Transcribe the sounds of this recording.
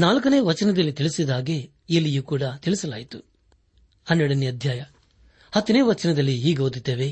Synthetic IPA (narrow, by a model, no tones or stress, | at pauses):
naːlkɐne̞ːʋɐt͡ʃɐnɐd̪ɐlːit̪iɭisid̪aːɡe̞ | ilːijuːkuːɽɐt̪iɭisɐla̰ːjit̪u̥ | ɐnːeɽɐnːiɐd̪ʱjaːjɐ | hɐt̪ːine̞ːʋɐt͡ʃɐnɐd̪ɐlːiɦiːɡɐɦoːd̪id̪ːeːʋe̞